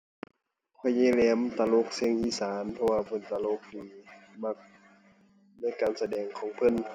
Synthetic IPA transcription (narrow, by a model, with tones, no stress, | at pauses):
kʰɔ˧˩jːeː˧˨lɛː˧˥mt̪a˧lo˧˨k̚se˧˥˨ŋʔiː˧˩saː˨˦npʰɔ˧waː˧pʰɤ˧˥˨nt̪a˧lo˧k̚diː˨ma˧k̚ | na˧˥˨jkaː˨nsa˧dɛː˨ŋkʰɔː˨˦ŋpʰɤ˧˥˨n